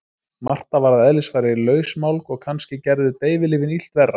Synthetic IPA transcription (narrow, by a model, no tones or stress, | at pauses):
mar̥t̪avaɾaðɛlɪsfajɾɪlœːɥsmawlkɔɣkʰanscɪcɛɾðʏt̪eːjvɪlɪːvɪnil̥t̪vɛrːa